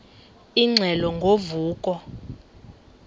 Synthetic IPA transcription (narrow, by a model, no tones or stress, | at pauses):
iŋ͡ǀʱɛlɔŋɡʱovuːkʼɔ